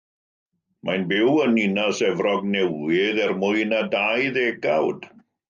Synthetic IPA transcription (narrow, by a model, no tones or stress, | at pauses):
majnbɪwəninasɛvrɔɡnɛwɪðɛrmʊɨnadajðeɡawd̥